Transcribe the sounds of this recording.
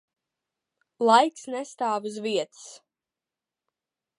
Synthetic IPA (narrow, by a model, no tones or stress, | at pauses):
lˠajksnɛst̪aːvuzviɛt̪ɨ̥s